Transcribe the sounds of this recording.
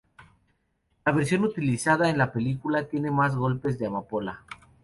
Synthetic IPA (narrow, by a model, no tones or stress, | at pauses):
laβ̞eɾsjo̞nut̪ilisaðaenlape̞likulat̪je̞ne̞mazɣo̞lpe̞zðe̞amapo̞la